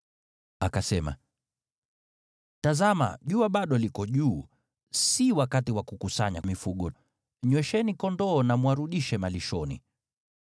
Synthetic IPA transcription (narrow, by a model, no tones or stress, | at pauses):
akasɛma̰ | tazama̰ʄuaɓaɗɔlikɔʄuː | siwakatiwakukusaɲamifuɠɔ | ɲwɛʃɛnikɔndɔːnamwaɾuɗiʃɛmaliʃɔnḭ